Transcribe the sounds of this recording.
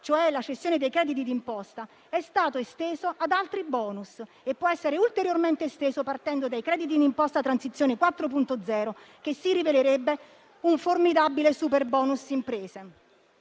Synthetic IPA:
t͡ʃoɛlat͡ʃest̪ːjoːned̪ejkɾɛːd̪it̪̬id̪impɔst̪a | ɛst̪aːt̪oest̪eːzoʔad̪alt̪ɾibɔːnus | epːwɔɛsːeɾeult̪eɾjorment̪est̪eːzopart̪ɛnd̪od̪ajkɾɛːd̪it̪̬id̪impɔst̪at̪ɾansit̪sjoːnekwat̪ːɾopunt̪od̪zɛːɾo | k̟esːiriveleɾebːe | uɱformid̪abilesuperbɔːnusimpɾeːze

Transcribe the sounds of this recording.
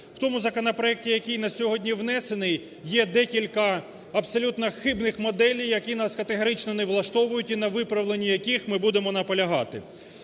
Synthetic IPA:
wt̪ɔmʊzɐkɔnɐpɾɔɛk̚tʲijɐkʲijnɐsʲɔɦɔdʲnʲiʋnɛsenɪj | jɛd̪ɛkʲilʲkɐ | ɐbsɔlʲut̪nɐxɪbnɪxmɔd̪ɛlʲijjːɐkinɑskɐt̪eɦɔɾɪt͡ʃnɔneʋlˠɐʃt̪ɔʋʊjʊtʲinɐʋɪpɾɐʋlˠenʲːijɐkʲixmɪbud̪emɔnɐpɔlʲɐɦɑt̪ɪ

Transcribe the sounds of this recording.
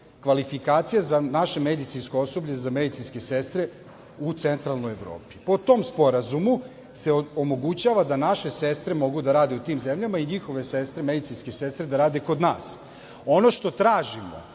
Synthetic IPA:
kʋalifikaːt̪sijazanaʃe̞me̞d̪it̪sinskooso̞bʎezame̞d̪it̪sinske̞se̞st̪ɾe̞ | ut̪se̞nt̪ɾalˠno̞jeʋɾo̞̰ːpi̥po̞t̪o̞mspo̞ɾazumu | se̞omo̞ɡut͡ɕaːʋad̪anaʃe̞se̞st̪ɾe̞mo̞ɡud̪aɾaːd̪e̞ut̪iːmze̞mʎamaiɲixo̞ʋe̞sest̪ɾeme̞d̪it̪sinske̞se̞st̪ɾed̪aɾaːd̪e̞ko̞d̪na̰ːs | o̞no̞ʃt̪o̞t̪ɾaːʒimo̰

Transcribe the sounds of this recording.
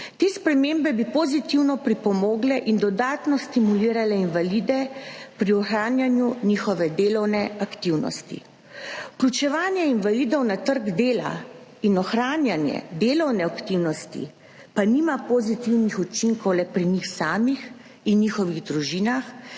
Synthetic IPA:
t̪eːspɾɛmembɛbipɔzit̪iwnɔpɾipɔmɔːɡlɛʔind̪ɔd̪aːt̪nɔst̪imuliːɾalɛinʋalid̪ɛpɾiɔxɾaːnjanjunixɔʋɛd̪eːlɔwnɛakt̪iwnɔ̰st̪ḭ | uklʲjut͡ʃɛʋaːnjɛinʋaliːd̪ɔwnat̪əɾɡd̪eːla̰inɔxɾaːnjanjɛ̰d̪eːlɔwnɛakt̪iwnɔst̪ḭ | paniːmapɔzit̪iwnixut͡ʃiŋkɔwlɛpɾinixsaːmix | inːixɔʋiɣd̪ɾuʒiːnax

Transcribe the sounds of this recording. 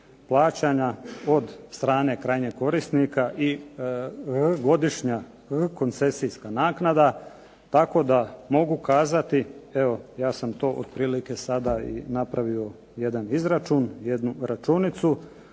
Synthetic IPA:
plˠaːt͡ɕaɲao̞d̪st̪ɾaːne̞kɾaːjɲeko̞ɾisnikaʔi | ɣɡo̞d̪iʃɲa | ɣəko̞nt̪se̞siskanaːknad̪a | t̪ako̞d̪amo̞ɡukaːzat̪ie̞o̞jaːsamt̪o̞ːʔo̰d̪̥̚pɾiːlike̞sad̪aḭnapɾaʋio̞ | je̞d̪anizɾat͡ʃuːnjed̪nuɾat͡ʃunit̪su

